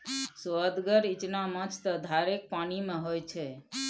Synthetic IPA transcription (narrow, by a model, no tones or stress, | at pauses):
soəd̪ɡəɾit͡ʃnamə̃t͡ʃʰt̪əd̪ʱaɾek̚panimãɦojt͡ʃʰe